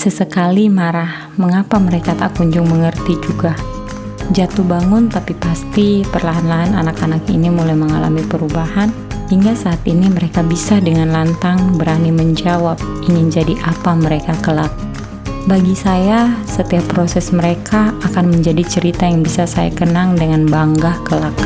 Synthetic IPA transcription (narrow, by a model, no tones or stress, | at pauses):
səsəkalimaɾah | məŋapaməɾekat̪a̰kuɲd͡ʒʊŋməŋərt̪id͡ʒuɡa | d͡ʒat̪uhbaŋʊnt̪apipast̪ipərlaɦanlaɦananakanakḭnimulajməŋala̰mipəɾubaɦan | hiŋɡasaːt̪iniməɾekabisadəŋanlant̪aŋbəɾaniməɲd͡ʒawap̚ | iŋɪnd͡ʒadiʔapaməɾekakəlat̪̚ | baɡisajasət̪iapːɾosɛsməɾekʰaːkanməɲd͡ʒadit͡ʃəɾit̪ajaŋbisasaja̰kənaŋdəŋanbaŋɡahkəlak̚